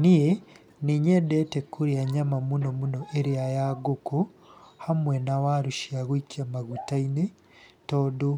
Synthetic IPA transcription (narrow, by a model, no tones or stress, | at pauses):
nije | niɲedɛtɛkʰuɾiaɲamamunɔmunɔʔeɾiajaɡoko | hamwɛnawaɾuʃiaɣwikiamaɣutaine | tɔdo